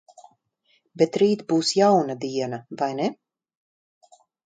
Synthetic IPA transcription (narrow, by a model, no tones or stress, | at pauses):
bet̪ɾiːt̪buːsjawnad̪iɛnavajnɛ